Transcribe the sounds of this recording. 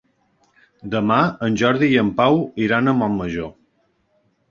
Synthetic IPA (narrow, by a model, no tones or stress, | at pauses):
d̪əmaənʲʒɔɾðijəmpawiɾanəmɔmːəʒo